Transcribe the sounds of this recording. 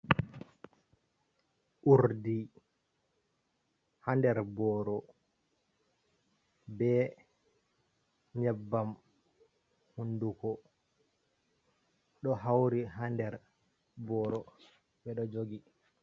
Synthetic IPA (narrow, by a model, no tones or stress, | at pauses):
ʔuɾdi | handɛɾbɔːɾɔ | bɛ | ɲɛbːam | hundukɔ | ɗɔɦawɾiɦandɛɾ | bɔːɾɔ | ɓɛɗɔd͡ʒoɡi